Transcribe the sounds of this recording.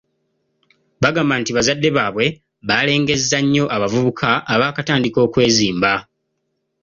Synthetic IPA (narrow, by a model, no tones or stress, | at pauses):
βaɡaːmbantiβazadːe̞βaːβwe̞ | βale̞ːŋɡe̞zaɲːo̞ʔaβavuβukʰaʔːβaːkataːndiko̞ːkwe̞ːziːmba